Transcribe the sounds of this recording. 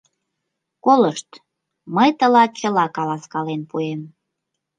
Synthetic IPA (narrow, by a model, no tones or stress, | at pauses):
koləʃt̪ | məjt̪əlɑt͡ɕəlɑkɑlɑskɑlenpuem